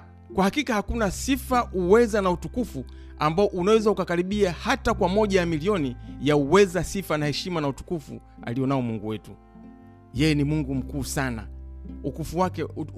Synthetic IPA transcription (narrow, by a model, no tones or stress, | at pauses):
kwahakikahakunasifaʔuwɛzanautukufu | ambaɔʔunawɛzaukakaɾiɓiahatakwamɔʄajamiliɔnijauwɛzasifanahɛʃimanautu̥kufṵa̰lijɔnaɔmuŋɡuwɛtu | jɛjɛnimuŋɡum̩kuːsana̰ukufuwakɛ